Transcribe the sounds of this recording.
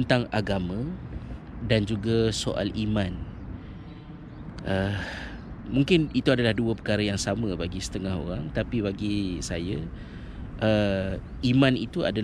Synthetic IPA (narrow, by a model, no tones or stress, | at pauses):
nt̪aŋaɡamə̃ | dand͡ʒuɡasoʔa̰limãn | ʔə | muŋkɪnit̪uadalahduəpəkaɾajaŋsamə̃baɡisə̥t̪əŋaɦo̰ɾaŋt̪apibaɡisaja | ʔə | imãnit̪ua̰da